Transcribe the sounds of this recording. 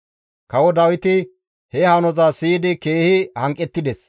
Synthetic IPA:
kɐwɔd̪ɐwɪt̪ɪ | hɛhɐnɔzasiːd̪ɪkeːhɪhɐŋkʼːɛt̪ːɪd̪ɛs

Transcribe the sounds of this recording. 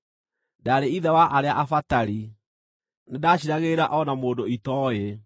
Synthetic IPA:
daːɾeiðɛwaʔaɾeaʔafataɾi | nedaɕiɾaɣeːɾaʔɔnamoːdoitɔe

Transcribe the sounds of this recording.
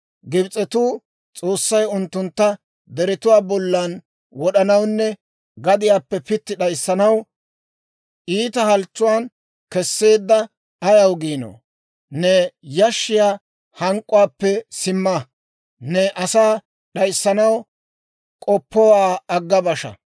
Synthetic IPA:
ɡɪbt͡sʼɛt̪uː | t͡sʼo̞ːsːɐjʊnt̪ːʊnt̪ːɐ | d̪ɛɾɪt̪ʊwaːbɔlːɐn | wɔɗɐnɐwnːɛ | ɡɐd̪ɪjaːpːɛpɪt̪ːɪɗɐjsːɐnɐw | ʔiːt̪ɐhɐlt͡ʃːʊwaːn | kɛsːe̞ːd̪ːɐ | ɐjɐwɡiːno̰ː | nɛjɐʃːɪjaː | hɐŋkʼːʊwaːpːɛsɪmːɐ | nɛʔɐsaː | ɗɐjsːɐnɐw | kʼɔpːɔwaːɐɡːɐbɐʃɐ̰

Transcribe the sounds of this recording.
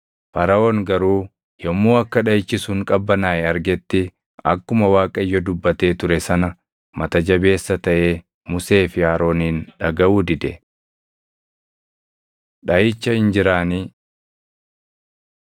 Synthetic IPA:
fɐɾɐʔoːŋɡɐɾuː | jɔmːuːɐkːɐᶑɐjɪt͡ʃːɪsʊŋkʼɐbːɐnaːjɛɐɾɡɛt̪ːɪ | ɐ̰kːʊmɐwaːkʼɐɪjːɔd̪ʊbːɐt̪e̞ːt̪ʊɾɛsɐnɐ | mɐt̪ɐd͡ʒɐbe̞ːsːɐt̪ɐʔe̞ː | mʊse̞ːfɪaːɾo̞ːniːnᶑɐɡɐʔuːd̪ɪd̪ɛ | ᶑɐjɪt͡ʃːɐhɪnd͡ʒɪɾaːniː

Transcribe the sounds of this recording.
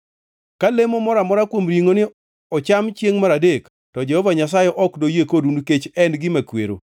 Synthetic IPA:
kalemomɔɾamɔɾakwomɾiŋonɪ | ɔt͡ʃamt͡ʃjeŋmaɾadek | tɔd͡ʒɛhɔvaɲas̬ajɛʔɔkdojekodunuket͡ʃɛnɡɪmakwḛɾo̰

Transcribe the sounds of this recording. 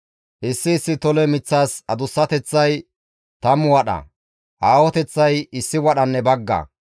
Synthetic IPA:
ʔɪsːɪːsːɪt̪ɔlɛmɪt͡sːaːsɐd̪ʊsːɐt̪ɛt͡sːɐj | t̪ɐmʊwɐɗɐ̰ | ʔaːwɔt̪ɛt͡sːɐjɪsːɪwɐɗɐnːɛbɐɡːɐ̰

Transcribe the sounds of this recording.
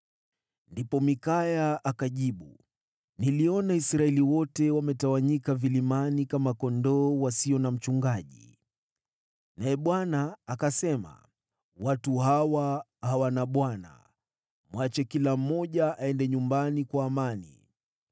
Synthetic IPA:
ndipɔmikajaʔakaʄiɓu | niliɔnaisɾaɛliwɔtɛwamɛtawaɲikavilimanikamakɔndɔːwasiɔnam̩t͡ʃuŋɡaʄḭ | naɛɓwanaːkasɛma̰ | watuɦawa | hawanaɓwana̰ | mwat͡ʃɛkilam̩ːɔʄaʔaɛndɛɲumbanikwaːmanḭ

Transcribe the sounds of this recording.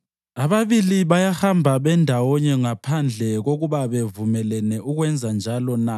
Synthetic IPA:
aβaβiliβajahambʱaβɛndʱawɔɲɛŋapʰand͡ɮʱɛɣoɣuβaβevumɛlɛnɛʔuɣwɛnd͡zʱand͡ʒʱalɔna

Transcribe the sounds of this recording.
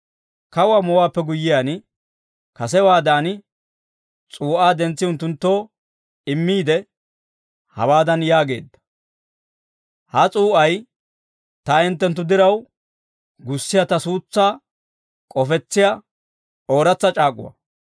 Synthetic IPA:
kɐwamɔwaːpːɛɡʊjːɪjaːn | kɐsɛwaːd̪aːnɪ | t͡sʼuːʔaːd̪ɛnt͡sːɪʊnt̪ːʊnt̪ːo̞ː | ɪmːiːd̪ɛ | hɐ̰waːd̪ɐnjaːɡe̞̰ːd̪ːɐ̥ | hɐt͡sʼuːʔɐj | t̪ɐɪnt̪ːɛnt̪ːʊd̪ɪɾɐw | ɡʊsːɪjɐt̪ɐsuːt͡sːaː | kʼɔfɛt͡sːɪja | ʔo̞ːɾɐt͡sːɐt͡ʃʼaːkʼʊ̰wɐ̰

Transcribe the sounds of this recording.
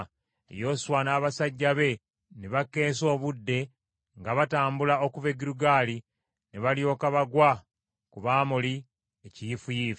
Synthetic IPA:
ḛjo̞ːswanaːβasaɟːaβe̞ | neβakːe̞ːso̞ːβudːe̞ | ŋɡaβataːmbulao̞kuve̞ɡiɾuɡaːli | neβaljo̞ːkaβaɡwa | kuβaːmuli | ecijifujiːf

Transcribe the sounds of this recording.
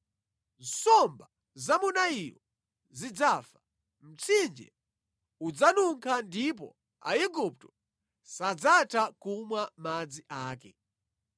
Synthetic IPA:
n̩sɔmba | zamunaijɔ | zid͡zaːfḁ | m̩t͡sʰind͡ʒɛ̰ | ud͡zanuŋkʰandip̬ɔ̰ | a̰iɡup̚tɔ | sad͡zatʰakumwamad͡ziʔaːkɛ

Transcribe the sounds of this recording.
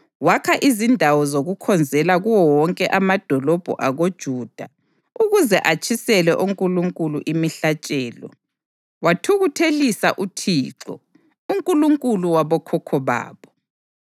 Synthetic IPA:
wakʰaʔizindʱawɔzoɣukʰɔnd͡zʱɛlaɣuwɔwɔŋkʼɛʔamad̥ʱɔlɔb̥ʱṵʔaɣod̥ʒ̥ʱuːd̥ʱa | uɣuzɛʔat͡ʃʼʰisɛlɛʔuŋkʼuluŋkʼuluʔimiɬat͡ʃʼɛːlɔ̰ | watʰuɣutʰelisaʔutʰiːǁɔ̰ | uŋkʼuluŋkʼuluwaβɔkʰɔkʰɔβa̰ːβɔ

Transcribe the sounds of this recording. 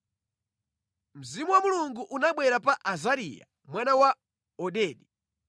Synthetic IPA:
m̩zimuwamuluŋɡuʔunaɓwɛɾapaʔazaɾḭja̰ | mwanawa | ɔɗɛːɗi

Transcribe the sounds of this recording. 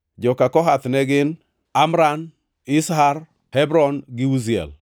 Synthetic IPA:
d͡ʒɔkakɔɦat̪nɛɡɪn | amɾan | ɪsɦaɾ | hɛbɾɔnɡɪuziɛ̰l

